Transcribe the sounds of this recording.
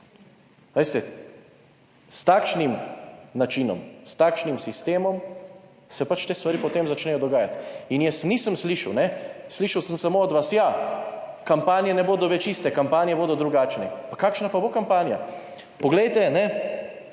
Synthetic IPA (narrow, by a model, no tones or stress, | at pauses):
ʋest̪ɛ | st̪aːkʃnimnat͡ʃinɔ̰mst̪akʃnimsist̪eːmɔm | sɛpat͡ʃt̪eːst̪ʋaɾiːpɔt̪eːmzat͡ʃnɛjɔd̪ɔɡaːjat̪injɛsniːsəmsliʃawnɛsliʃɐwsəmsamoːd̪ʋasja | kampaːnjɛnɛboːd̪ɔʋɛt͡ʃiːst̪ɛkampaːnjɛboːd̪ɔd̪ɾuɡaːt͡ʃnɛpakaːkʃnapabokampaːnja̰ | pɔɡlɛjt̪ɛnɛ